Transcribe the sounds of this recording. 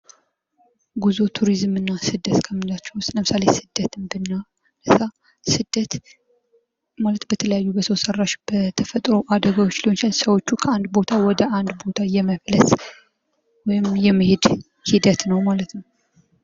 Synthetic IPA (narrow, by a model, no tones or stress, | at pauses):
ɡuzot̪ʰuɾizmɨnːasɨd̪ət̪kʰəmːɨndat͡ʃːɛwʊst̪ʼləmɨsalesɨd̪ːət̪ʰɨmbɨnːa | ləsa | sɨd̪ət̪ | malət̪bət̪ʰələjajːubəsəwsərːaʃb̥ət̪ʰəfət̪ʼɾo̞ʔad̪əɡawot͡ʃːliot͡ʃalsəwo̞t͡ʃːukʰəand̪bo̞t̪ʰawɔd̪əʔand̪bo̞t̪ʰajɛməβləs | wɔjɪmjɛmːihed̪ | hid̪ət̪nəwmalət̪nəw